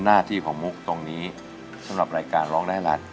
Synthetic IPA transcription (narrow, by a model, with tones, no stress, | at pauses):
naː˥˩t̪ʰiː˥˩kʰɔː˩˦ŋmu˦˥k̚t̪o˧ŋniː˦˥ | sa˩˦mɾa˨˩p̚ɾaː˧jkaː˧nɾɔː˦˥ŋdaː˥˩jɾa˦˥t̪̚